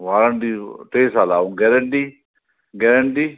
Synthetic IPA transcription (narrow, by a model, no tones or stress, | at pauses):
ʋaːɾəɳʈiːʈeːsaːlaːũɡɛɾəɳʈiː | ɡɛɾəɳʈiː